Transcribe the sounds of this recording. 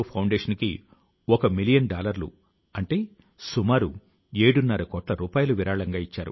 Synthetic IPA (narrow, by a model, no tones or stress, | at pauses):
pʰɐwɳɖeːʂɐnkḭ | ɔkɐmilijɐnɖaːlɐɾlṵ | ɐɳʈe̞ː | sumaːɾu | e̞ːɽunːɐɾɐkɔːʈlɐɾuːpaːjɐluʋiɾaːɭɐŋɡaːit͡ʃːaːɾṵ